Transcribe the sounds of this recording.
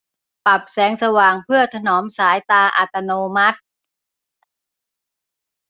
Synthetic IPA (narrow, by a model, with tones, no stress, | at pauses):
pa˨˩p̚sɛː˩˦ŋsa˧waː˨˩ŋpʰɯ˥˩ɐt̪ʰa˧nɔː˩˦msaː˩˦jt̪aː˧ʔa̰˨˩t̪ːa˧noː˧ma˦˥t̪̚